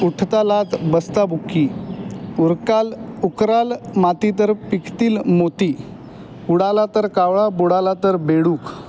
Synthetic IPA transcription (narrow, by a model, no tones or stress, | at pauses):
uʈʰt̪alat̪bəst̪abʱukːi | uɾkalukɾalmat̪it̪̬əɾpikt̪iːlmot̪i | uɽalat̪əɾkawɭabuɽalat̪əɾbeɽuːk